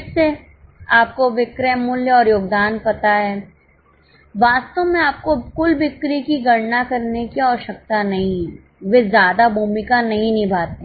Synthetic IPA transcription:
ɪse | aːp̚koʋɪkɾɛmʊljəɔːɾjoːɡd̪aːnpɐt̪aɦɛː | ʋaːst̪õmẽaːp̚kokʊlbɪkɾikiɡʱɐɽnakɐɾnekiɔːʃək̚t̪anɐɦĩ | ʋezjaːd̪abʱuːmɪkanɐɦĩnɪ̃bʱaːt̪ẽ

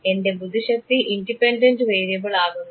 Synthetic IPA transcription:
e̞nde̞bud̪ʱiɕɐk̚t̪iʔindipenɖɐndɨʋejɾjɐɣɐɭaːɣunːu

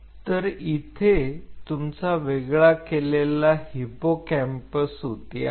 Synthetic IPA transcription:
t̪əɾit̪ʰet̪umt͡saʋeɡɭakelelahipokɛ̃mpəsɦot̪ija̰

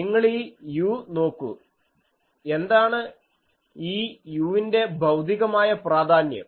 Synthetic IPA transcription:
niŋːɐɭiːjuːno̞ːkːṵ | e̞nd̪aːɳɨ | iːjuːʋinde̞bʱɐwd̪ʱiɣɐmaːjɐpraːd̪ʱaːnjɐ̰m

